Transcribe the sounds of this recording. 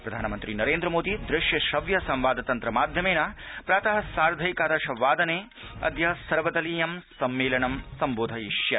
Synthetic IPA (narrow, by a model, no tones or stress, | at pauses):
pɾɐd̪ʱaːnɐmɐnt̪ɾinɐɾeːnd̪ɾɐmoːd̪id̪ɾɪʃjɐʃɐʋjɐsɐ̃mʋaːd̪ɐt̪ɐnt̪ɾɐmaːd̪ʱjɐmeːnɐpɾaːt̪ɐɦɐsaːɾd̪ʱɐjkaːɾɐʃɐʋːaːd̪ɐneː | ɐ̰d̪jɐɦɐsɐɾʋɐd̪ɐliːjɐmsɐmːeːlɐɳɐmsɐmboːd̪ʱɐiʃjɐ